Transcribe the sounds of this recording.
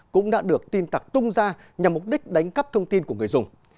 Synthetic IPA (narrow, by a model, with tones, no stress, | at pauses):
kʊ̰˧˥ŋ͡mɗa̰ː˧˥ɗɨ˨˩ək̚t̪i˧nt̪a˨˩k̚t̪ʊ˧ŋ͡mzaː˧ | ɲa˨˩mːʊ˨˩k͡p̚ɗï˦˥k̟̚ɗa˨˦jŋ̟kə˦˥p̚t̪ʰə˧wŋ͡mt̪i˧nku˧˩əŋɨ˨˩əjzʊ˨˩ŋ͡m